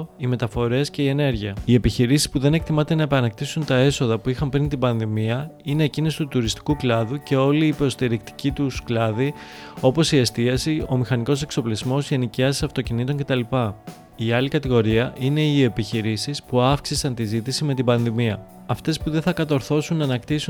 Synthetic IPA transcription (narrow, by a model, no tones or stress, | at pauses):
ime̞t̪ɐfo̞ɾe̞sce̞ie̞ne̞ɾʝiɐie̞piçiɾisi̥spuðe̞ne̞kt̪imɐt̪e̞nɐepɐnɐk̚t̪isunt̪ɐe̞so̞ðɐpuixɐmpɾint̪ibɐnðimiɐine̞ːcinist̪ut̪uɾist̪i̥kuklɐðuce̞o̞liːpɾo̞st̪iɾikt̪i̥cit̪usklɐðio̞po̞sie̞st̪iɐsio̞mixɐniko̞se̞kso̞plizmo̞zʝe̞niciɐsi̥sɐft̪o̞cinit̪o̞ɲce̞t̪ɐlipɐ | iɐlikɐt̪iɣo̞ɾiɐʔine̞ie̞piçiɾisispuɐfksisɐnt̪izit̪isime̞t̪ibɐnðimiɐ | ɐft̪e̞spuðe̞nθɐkɐt̪o̞ɾθo̞sunːɐnɐkt̪isu